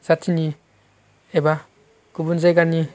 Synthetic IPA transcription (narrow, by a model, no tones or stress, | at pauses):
z̥atʰini | eba | kubunzajɡani